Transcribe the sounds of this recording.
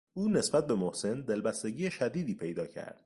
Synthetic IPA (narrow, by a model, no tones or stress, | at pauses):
uːne̞sbæt̪̚be̞mohse̞nd̪e̞lbæst̪e̞ɟiːjeʃæd̪iːd̪iːpʰe̞jd̪ɒːcʰæ̰ɾd̪̥